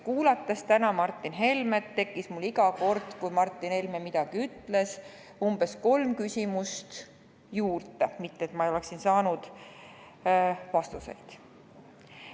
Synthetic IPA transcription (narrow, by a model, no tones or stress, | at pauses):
kuːlɑt̪ːˑɑst̪ænɑmɑrt̪ˑːinɦe̞lmet̪ːe̞kːˑismulːiɡɑko̞rd̪̥kujmɑrt̪ˑːinhe̞lmemid̪̥ɑɡ̥iyt̪ːˑle̞s | umb̥e̞sko̞lmkysʲimust̪ | juːrt̪ːˑemit̪ːet̪mɑeo̞le̞ksinsɑːnud̪̥ | vɑst̪usḛjd̪̥